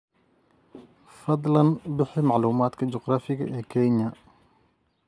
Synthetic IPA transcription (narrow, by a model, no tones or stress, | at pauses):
fɐd̪ˤlɐnbɪħɪmɑʕluːmaːd̪kʰɐt͡ʃɔqɾaːfɪɣɐ̰ʔɛːkʰɛɲɐ